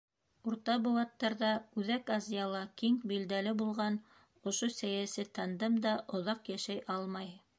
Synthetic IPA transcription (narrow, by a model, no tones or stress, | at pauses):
uɾt̪ɑbŏwɑt̪ːɑɾðɑʉðækɑzʲijɑlˠɑkiŋbild̪ælɘbulˠʁɑn | ŏʃosæjæsɘt̪ɑnd̪ɤmd̪ɑʔŏðɑqjæʃæjʔɑlˠmɑj